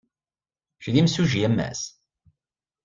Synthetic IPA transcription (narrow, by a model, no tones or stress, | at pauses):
ʃðimsuʒijæmːæ̰s